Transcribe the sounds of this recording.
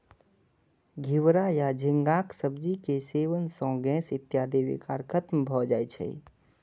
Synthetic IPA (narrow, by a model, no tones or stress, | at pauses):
ɡʱiwɾajad͡ʒʱɪ̃ŋɡaːksəbd͡ʒikeseːʋənsɔ̃ːɡɛ̃ːsɪt̪jaːd̪eːʋḭkaːɾkʰət̪mbʱɔd͡ʒaːet͡ʃʰɛ̰i